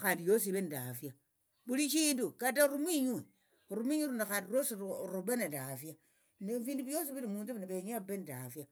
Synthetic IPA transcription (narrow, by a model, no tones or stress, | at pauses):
xaːndijos̬iβenidafja | βuliʃiːndukataɾumwiɲue | ɾumwiɲuɾunaxaːndiɾosiɾuβenatafja | nefiːnduβjos̬iβinimuːnt͡suβinaβeɲabenidafja